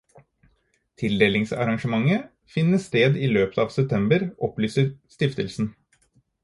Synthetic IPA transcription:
t̪ʰɪld̪eːlɪŋsɑ̰ɾɑŋʂəmɑŋːə | fɪnːəst̪eːd̪iːløːpə̥t̪ɑːʋsɛp̚t̪ʰɛmbəɾʔɔplyːsəɾst̪ɪft̪əlsn̩

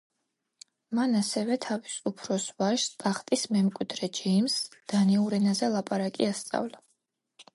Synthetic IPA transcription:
manasɛvɛt̪ʰavisupʰɾɔsvaʃt̪ʼaχt̪ʼismɛmkʼwid̪ɾɛd͡ʒɛmsd̪̥aniuɾɛnazɛlˠapʼaɾakʼiast̪sʼa̰vla

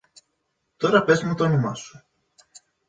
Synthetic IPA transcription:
t̪o̞ɾɐpe̞zmut̪oɐnomɐ̰su̥

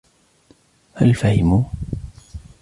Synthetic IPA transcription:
halfahɪmu

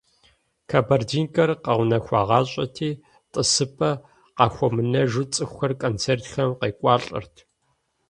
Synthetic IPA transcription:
kʰabɐrdiːnkʼɐrqɐʁʷʊnɐxʷɑːʁɑːɕʼɐtʰiː | tʼɨsɨpʰʼɐ | qɑːxʷɔmɨnɐʒɨt͡sʼɨxʷɐrkʼoːnt͡sʰeːrtxɐmqeːkʷʼɑːɬʼɨ̰rtʰ

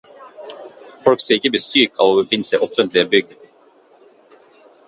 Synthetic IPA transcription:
fɔlkseːɪkːəbəsyːkɑ̰ːʋoːbəfɪnːəsæɪʔɔfənt̪lɪəbʏɡ̪̚ə

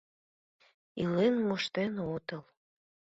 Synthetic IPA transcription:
ilenmoʃt̪enot̪əl

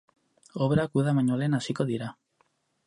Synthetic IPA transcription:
oβeɾakuðamaɲole̞nasiko̞ðiɾa

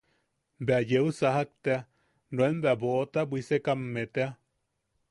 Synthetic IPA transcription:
beajeusaɦak̚t̪ea | noembeaboʔt̪abʷisekamːet̪ea

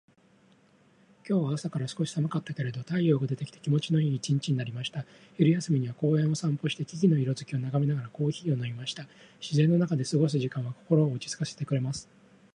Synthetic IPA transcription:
kʲo̞ːβaːsakaɾasɨ̥ko̞ɕi̥samakat̪ːake̞ɾe̞d̪o̞t̪aijo̞ːɡad̪e̞t̪ekʲi̥t̪e̥kʲimo̞t͡ɕino̞iːit͡ɕĩɲt͡ɕiɲ̟inaɾʲimaɕi̥t̪a | iɾɯ̟jasɨmʲiɲ̟iβako̞ːẽ̞ɰ̃o̞sãmpo̞ɕi̥t̪ekʲiɡʲino̞iɾo̞zɨkʲio̞naɡamʲinaɡaɾako̞ːçiːo̞naimaɕi̥t̪a | ɕizẽ̞nːo̞nakad̪e̞sɨɡo̞s̬ɨʑikãɰ̃βako̞ko̞ɾo̞ːɯ̟t͡ɕi̥t͡sɨ̥kase̞̥t̪e̞kɯ̟ɾe̞masɨ̥

